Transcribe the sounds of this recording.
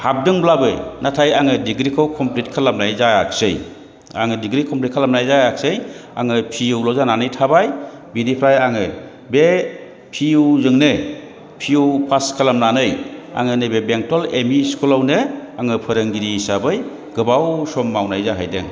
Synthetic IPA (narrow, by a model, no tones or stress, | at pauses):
hap̚dɯŋblabɯjnatʰajaŋɯdiɡɾikʰɯwkʰɔmplit̚kʰalamnajzaak̚sɯj | a̰ŋɯdiɡɾikʰɔmplit̚kʰalamnajzajak̚sɯja̰ŋɯpʰiuwlɔzananɯjtʰabaj | binipʰɾajaŋɯ | be | pʰiuzɯŋnɯ | pʰiupʰaskʰalamnanɯja̰ŋɯnɯbebeŋtɔlemiskulawnɯaŋɯpʰɯɾɯŋɡiɾisabɯj | ɡɯbawsɔmːawnajzaɦajdɯ̰ŋ